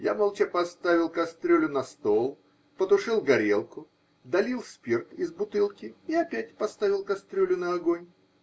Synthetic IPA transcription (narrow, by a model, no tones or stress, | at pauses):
ja̰mɐlˠt͡ɕepɐst̪avʲɪlˠkɐst̪ɾʲɵlʲʊnɐst̪olˠ | pət̪ʊʂɨlˠɡɐɾʲelˠkʊ | d̪ɐlʲilˠspʲirt̪ɪzbʊt̪ɨlˠkʲɪiɐpʲætʲpɐst̪avʲɪlˠkɐst̪ɾʲɵlʲʊnəɐɡonʲ